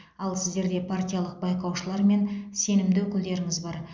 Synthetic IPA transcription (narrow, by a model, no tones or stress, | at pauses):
ɑlˠsɪzd̪e̞ɾd̪e̞pʰart̪ʲijalˠəq̚bɑjqɑwʃəlˠɑɾme̞nse̞nɪmd̪ɪwɵkʲɪld̪e̞ɾɪŋɪzbɑɾ